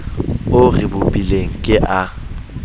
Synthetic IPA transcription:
ʊrɪbʊpʼileŋ̩kʼɪʔa

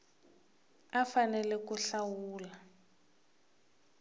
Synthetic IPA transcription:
afanɛlɛkuɬawuːla

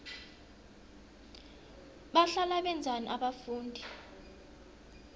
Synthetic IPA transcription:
ɓaɬalaɓɛnd͡zʱanḭʔaɓafuːndʱi

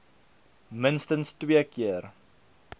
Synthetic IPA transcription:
mənstənstwiəkiər

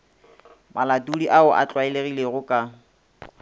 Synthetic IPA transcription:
maladuliʔaʊʔa̰t͡ɬʼwaɪleɣileɣʊkʼa

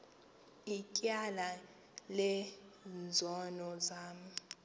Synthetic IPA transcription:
ikʼjala | lɛnd͡zʱɔnɔzaːm̩

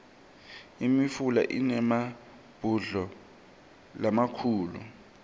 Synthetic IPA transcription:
imifula̰ʔinɛma | b̥ʱuɮɔ | lamakʰuːlṵ

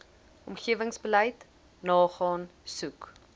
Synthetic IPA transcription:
ɔmχiəvəŋsbələjt | nɑːχɑːnsuk

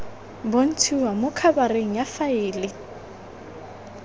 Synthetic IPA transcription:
bon̩tʰiwamʊkʰabareŋ̩jafaɪːlɪ

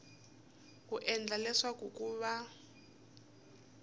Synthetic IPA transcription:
kuʔɛnd͡ɮalɛswakukʼuβa

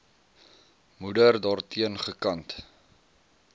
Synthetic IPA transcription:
mudərdɑːrtʰiənχəkɐnt

